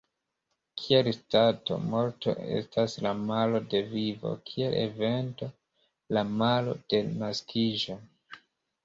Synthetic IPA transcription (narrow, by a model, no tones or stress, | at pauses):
kʰielstato̞̰mo̞ɾto̞̰ʔe̞̰staslamalo̞de̞vivo̞̰kʰie̞̰lʔe̞̰ve̞nto̞ | lamalo̞̰d̥e̞naskʰiʒo̞